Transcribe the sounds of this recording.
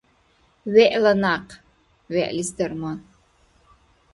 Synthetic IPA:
ɥeʔlɐnaq | ɥeʔlʲizdɐrmɐ

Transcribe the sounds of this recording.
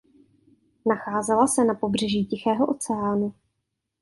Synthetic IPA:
naxaːzɛlasɛnapo̞br̝ɛʒiːcɪxɛːɦo̞ʔo̞t͡sɛaːnu

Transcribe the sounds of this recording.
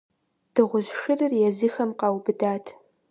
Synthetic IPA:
d̥ɨʁʷʊzʃɨrɨrjɛzɨxɐmqɑːwbɨdaːtʰ

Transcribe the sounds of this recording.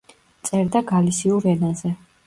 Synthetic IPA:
t̪sʼɛɾd̪aɡalisiuɾɛnazɛ

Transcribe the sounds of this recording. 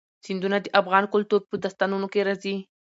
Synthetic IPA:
sɪnd̪unad̪əʔafɣɑnkʊlt̪uɾpəd̪ast̪ɑnunokeɾazi

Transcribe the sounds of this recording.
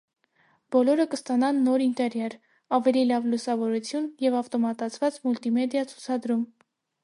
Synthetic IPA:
b̥ɔlɔɾəkəst̪ɑnɑnːɔɾint̪ɛɾjɑɾ | ɑvɛlilɑvlusɑvɔɾut͡sʰjunjɛvɑft̪ɔmɑt̪ɑt͡sʰvɑt͡smult̪imɛd̪ijɑt͡sʰu̥t͡sʰɑd̪ɾum

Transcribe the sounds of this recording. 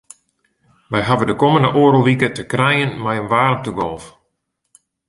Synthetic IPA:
ʋɛjɦavədəkoməndəʔoːɾəlˠʋikətəkrɛjənmɛjənʋaːrəntəɡɔlˠf

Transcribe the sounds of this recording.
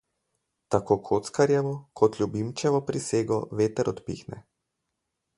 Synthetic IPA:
t̪akoːkʰoːt̪skaɾjɛʋɔkʰɔt̪lʲubimt͡ʃɛʋɔpɾiseːɡɔʋeːt̪ɛɾɔt̪pḭːxnɛ̰

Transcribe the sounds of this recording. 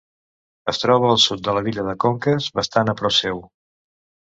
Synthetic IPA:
əst̪ɾɔβəːlˠsut̪̚d̪ələβiʎəðəkoŋkəzβəst̪anəpɾɔsew

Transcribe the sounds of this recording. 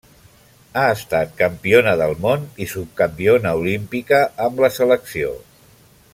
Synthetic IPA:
aəst̪at̪̚kəmpionəðəlˠmonisup̚kəmpionəulimpikəəmləsələksio̰

